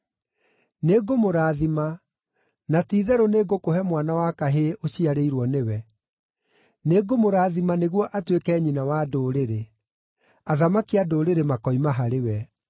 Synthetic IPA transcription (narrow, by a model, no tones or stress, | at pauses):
neɡomoɾaːðima | natiːðɛɾoneɡokoɦɛmwanawakaɦeʔoɕiaɾeiɾwɔnewɛ | neɡomoɾaːðimaneɣwɔʔatwekɛːɲinawadoːɾeɾe | aðamakiadoːɾeɾemakɔimaɦaɾewɛ